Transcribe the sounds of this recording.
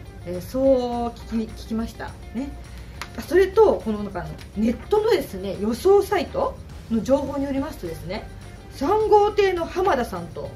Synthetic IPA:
eːso̞ːkʲi̥kʲikʲi̥kʲimaɕi̥t̪a̰ | ne̞ | aso̞ɾe̞t̪o̞ko̞nonokaɾno̞̰ne̞t̪ːo̞no̞d̪e̞sɨne̞jo̞so̞ːsait̪o̞ | no̞d͡ʑo̞ːɦo̞ːɲ̟ijo̞ɾʲimasɨ̥t̪od̪e̞sɨne̞ | sãŋɡo̞ːt̪e̞ːno̞hamad̪asãnt̪o̞

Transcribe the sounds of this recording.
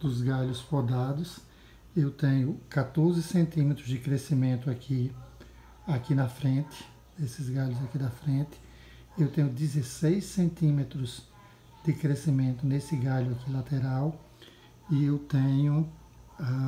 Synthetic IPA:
d̪̥ʊzɡaʎʊsfod̪ad̪ʊs | ewt̪ẽɲʊkat̪oɾzɪsẽnt̪ĩmet̪ɾʊzd̪ɪkɾesimẽnt̪ʊakʰi | akinɐfɾẽnt̪ɪ̥ | esɪzɡaʎʊzakid̪ɐfɾẽnt̪ɪ̥ | ewt̪ẽɲʊd̪ɪzesejsẽnt̪ĩmet̪ɾʊz | d̪̥ɪkɾesimẽnt̪ʊnesɪɡaʎʊakilat̪eɾaw | ɪewt̪ẽɲʊ | a

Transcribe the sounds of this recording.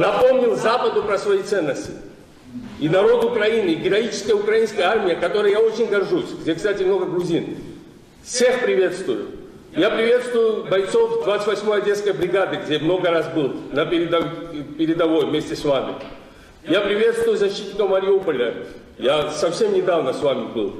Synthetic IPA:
nɐpo̞mnʲɪlˠzapəd̪ʊpɾəsvɐjit̪sɛnːəsʲtʲɪ | inɐɾo̞t̪ʊkɾɐinɨiɡʲɪɾɐit͡ɕɪ̥skəjəʊkɾɐinskəjəarmʲɪjəkɐt̪o̞ɾəjəjao̞t͡ɕɪnʲɡɐrʐusʲɡdʲekst̪atʲɪmno̞ɡəɡɾʊzʲin | fsʲe̞xpɾʲɪvʲe̞t̪st̪vʊjʊ̰ | japɾʲɪvʲe̞t̪st̪vʊjʊbɐjt̪so̞fd̪vat̪ɨ̥t̪ʲvɐsʲmo̞jɐdʲe̞t̪skəjbɾʲɪɡad̪ɨɡdʲemno̞ɡəɾas̬bɨlˠnəpʲɪɾʲɪd̪ɐpʲɪɾʲɪd̪ɐvo̞jvmʲesʲtʲɪsvamʲɪ̰ | japɾʲɪvʲe̞t̪st̪vʊjʊzɐɕːit̪ʲnʲɪkəmːɐɾʲɪupəlʲə | jasɐfsʲe̞mnʲɪd̪avnəsvamʲɪbɨlˠ

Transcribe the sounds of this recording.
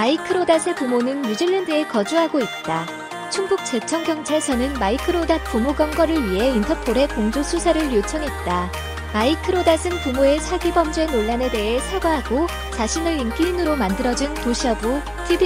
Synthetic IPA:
maikʰɯɾodasʰepumonɯnmud͡ʑiɭːendɯe̞kʌd͡ʑuɦaɡoit̚t͈a | t͡ɕʰuŋbuk̚t͡ɕ͈e̞t͡ɕʰʌŋɡjʌŋt͡ɕʰaɭsʰʌnɯnmaikʰɯɾodat̚p͈umoɡʌŋɡʌɾɯɭɥiɦe̞intʰʌpʰoɾe̞koŋd͡ʑosʰusʰaɾɯɭjot͡ɕʰʌŋɦe̞t̚t͈a | maikʰɯɾodasʰɯnpumoe̞t͡ɕʰaɡibʌmd͡ʑwe̞noɭːane̞de̞ɦe̞sʰaɡaɦaɡo | t͡ɕaɕʰinɯɭink͈inɯɾomandɯɾʌd͡ʑinpoɕʰʌbu | tʰib

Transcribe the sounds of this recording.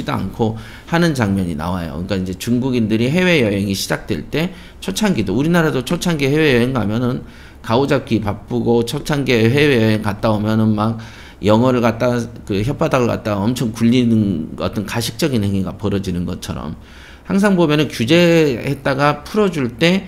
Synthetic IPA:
idoa̰nkʰo | hanɯnt͡ɕaŋmʌɲina̰wajo̰ɯ̰ɲik͈aind͡ʑe̞t͡ɕuŋɡuɡindɯɾiɦe̞we̞jʌɦe̞ŋiɕʰid͡ʑak̚t͈we̞̰ɭt͈e̞ | t͡ɕʰʌt͡ɕʰaŋɡidouɾinaɾadot͡ɕʰot͡ɕʰanɡihewe̞jʌɦe̞ŋɡamjʌnɯn | kaod͡ʑap̚k͈ipap͈ɯɡot͡ɕʰʌt͡ɕʰanɡeɦe̞we̞jʌɦe̞ŋkat̚t͈aomjʌnɯnmak̚ | jʌŋwʌɾɯɭkat̚t͈akɯçjʌp͈ʰadaɡoɭka̰t̚t͈aɡaʌmt͡ɕʰʌŋkuʎːinɯnʌt͈ʌnkaɕʰi̥k̚t͡ɕ͈ʌɡinhe̞ŋiɡapʌɾʌd͡ʑinɯnɡʌt͡ɕʰʌɾʌ̰m | haŋs̬ʰaŋbomjʌnɯnkjud͡ʑe̞het̚t͈aɡapʰuɾʌd͡ʑuɭt͈e̞

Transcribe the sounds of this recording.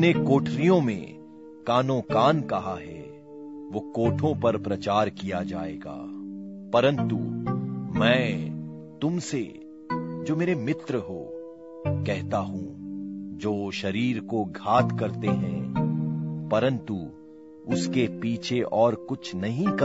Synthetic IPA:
nekoːʈʰɾijõmḛ̃ | kaːnõkaːnkɐɦaɦɛ̰ | ʋoːkoːʈʰõpɐɾpɾɐt͡ʃaːɾkijad͡ʒaːeːɡa̰ːpɐɾə̃nt̪u | mɛ̃ː | t̪ʊmsḛ | d͡ʒoːmeːɾemɪt̪ɾəɦo̰ː | kɛɦt̪aɦũd͡ʒoːʃɐɾiːɾkoɡʱaːt̪kɐɾt̪eɦɛ̰̃ | pɐɾə̃nt̪u | ʊskepiːt͡ʃʰeʔɔːɾkʊt͡ʃʰnɐɦĩk

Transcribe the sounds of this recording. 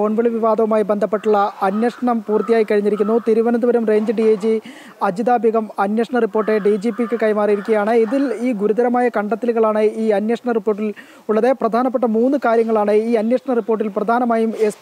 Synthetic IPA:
oɳʋɐɭiʋiʋaːd̪ɐʋumaːjibe̞nd̪ʱɐpːe̞ʈːuɭːɐɐnjɐʂɐɳɐmpuːrt̪ijaːjikːɐɻiɲːiɾikʲːunːut̪iɾuʋɐnɐnuʋɐɾumre̞ːɲd͡ʑɨɖied͡ʑi | ɐd͡ʑid̪aːbʱiɣɐmɐnjɐʂɐɳɐripːo̞ːrʈːeɖid͡ʑipikʲːɨkɐjmaːrijiɾikʲːuɣɐjaːɳɨiðiliːɡuɾud̪ɐɾɐmaːjɐkɐɳɖɐt̪ːiluɣɐɭaːɳɨiːɐnjɐʂɐɳɐripːo̞ːrʈ̬ːil | uɭːɐðeprɐd̪ʱaːnɐp̬ːeʈːɐmuːnːɨkaːɾjɐŋːɐɭaːɳɨiːɐnjɐʂɐɳɐripːo̞ːrʈ̬ːilprɐd̪ʱaːnɐmaːjumes

